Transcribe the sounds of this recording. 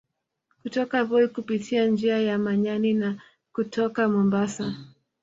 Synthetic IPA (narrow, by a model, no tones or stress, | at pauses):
kutɔkaβɔikupitʰiand͡ʒiajamaɲanina | kutʰɔkamɔmbasa